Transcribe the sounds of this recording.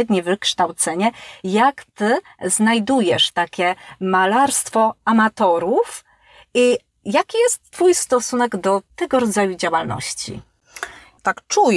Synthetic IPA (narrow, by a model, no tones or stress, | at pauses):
ɛd̪ɲɛvɘkʂt̪awt̪sɛɲɛjakt̪ɘ | znajd̪ujɛʂt̪akʲɛmalaɾst̪fɔamat̪ɔɾuf | i | jakʲijɛst̪ːfujst̪ɔsunɛɡd̪ɔt̪ɛɡɔɾɔd̪zajud͡ʑawalnɔ̰ɕt͡ɕḭ | t̪akt͡ʂuj